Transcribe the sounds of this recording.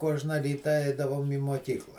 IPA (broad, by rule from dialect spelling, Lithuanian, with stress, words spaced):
ˈkuɔʒnɐ ˈrʲiːtɐ ˈɛɪdɐʋoːm iː muɔˈkʲiːklˠɐ